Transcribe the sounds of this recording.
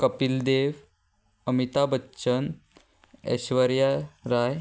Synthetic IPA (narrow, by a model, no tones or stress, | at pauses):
kəpild̪eʋ | əmit̪abəːɕən | ḛɕʋəɾjaɾaj